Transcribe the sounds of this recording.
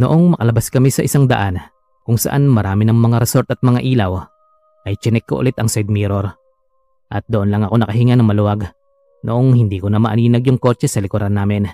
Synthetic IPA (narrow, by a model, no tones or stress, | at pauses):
noʔo̞ŋmɐkɐlɐbaskɐmɪsɐʔɪsaŋd̪ɐʔan | kʊŋsɐ̰ʔanmɐɾaːmɪnɐŋmɐŋaɾɛso̞ɾt̪ɐt̪̚mɐŋaʔiːlɐw | ʔɐjt͡ʃɛnɛkːoʔʊ̰lɛt̪ɐŋsɛjd̪̚miːɾoɾ | ʔɐt̪̚d̪oʔonlɐŋɐko̞nɐkɐɦɪŋanɐŋmɐlʊwaɡ | noʔoŋhɪnd̪iːkonɐmɐʔɐniːnɐɡjʊŋko̞t͡ʃɛsɐlɪkʊɾanːaːmɪn